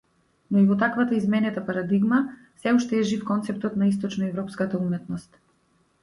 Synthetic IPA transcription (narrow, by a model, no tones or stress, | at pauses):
nɔivɔt̪akvat̪aizmɛnɛt̪apaɾad̪iɡma | sɛuʃt̪ɛːʒifkɔnt̪sɛp̚t̪ɔt̪nais̬t̪ɔt͡ʃnɔɛvɾɔpskat̪aumɛt̪nɔst̪